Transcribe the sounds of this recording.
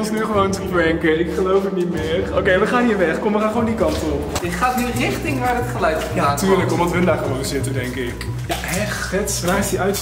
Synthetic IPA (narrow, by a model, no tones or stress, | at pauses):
ɔnsnyχəʋowntəbɹɛŋkənɪkχəlowfətnitmɪːərowkejʋəχaːnɦiːɹʋɛχkɔmʋəχaːnχʋowndikɑntɔpɪtχaːtnyrɪχtɪŋnaːrətχəlœɥtjaatyːɹləkɔmdɑtɦɵndaːχəʋowtəzɪtədɛŋkɪk | ja | ɛχ | ɛtsnaːsdiʔœɥt